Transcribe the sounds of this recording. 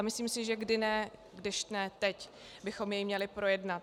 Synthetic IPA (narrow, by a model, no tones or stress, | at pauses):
mɪsliːmsɪʒɛɡdɪnɛ | ɡdɪʃnɛt̪ɛc | bɪxo̞mjɛjmɲɛlɪpɾo̞jɛdnat̪